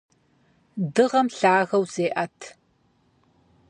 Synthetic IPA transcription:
dɨʁɐmɬaːɣɐwzeːʔɐtʰ

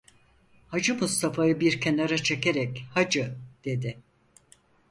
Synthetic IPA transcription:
had͡ʒɯmust̪ʰafajɯbiɾkʰenaɾat͡ʃʰe̞keɾɛkhad͡ʒɯd̪̥e̞d̪ɪ

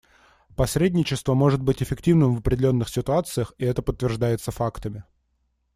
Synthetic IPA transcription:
pɐsʲɾʲedʲnʲɪt͡ɕɪst̪vəmo̞ʐɨt̪̚bɨtʲɪfʲɪktʲivnɨmvəpɾʲɪdʲɪlʲo̞nːɨxsʲɪt̪ʊat̪sɨjəxɪɛt̪əpət̪ːvʲɪrʐd̪ajɪt̪səfakt̪əmʲɪ

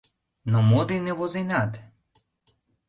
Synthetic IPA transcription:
nɔmod̪inɛvɔzinat̪

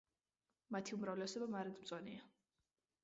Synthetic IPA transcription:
mat̪ʰiumɾavlɛsɔbamaɾɛd̪mt̪sʼɔnia

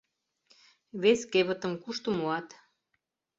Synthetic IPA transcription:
βeskeβə̆t̪əmkuʃt̪əmoɑt̪

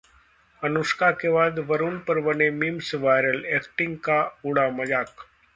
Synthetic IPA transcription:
ɐnuʃkakebaːd̪ʋəɾunpɐɾbɐnemimsʋaːjɾəleːkʈɪ̃ŋɡkaʊɽamɐd͡ʒaːk

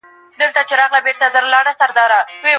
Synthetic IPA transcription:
d̪əlt̪at͡ʃeɾɑɣlabeɾt̪azaɾlɑɽasaɾd̪ɑɾawe

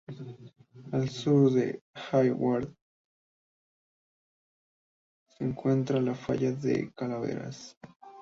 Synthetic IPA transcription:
alsuɾðḛxajwaɾð | seŋkwent̪ɾalafa̰ʎaðḛkalaβḛɾa̰s

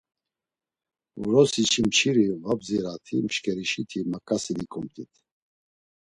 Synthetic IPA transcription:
vuɾɔsit͡ʃʰimt͡ʃʰiɾivabziɾat̪ʰimʃkʼɛɾiʃit̪ʰimakʼasid̪ikʼumt̪ʰʼit̪ʰ

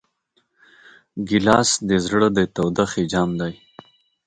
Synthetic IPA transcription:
ɡɪlɑːsd̪ezɽəd̪et̪awd̪axid͡ʒɑːmd̪aj

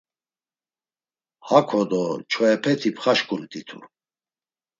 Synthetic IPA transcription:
hakʰɔd̪ɔt͡ʃʰɔɛpʰɛt̪ʰipʰχaʃkʼult̪ʼit̪ʰṵ

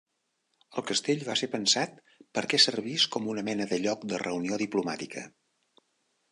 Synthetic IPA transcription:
əlˠkəst̪eʎβasepənsat̪̚ | pəɾkɛsərβ̞iskɔmunəmɛnəðəʎɔkd̪ərəunioðiplumat̪ikʰə̰

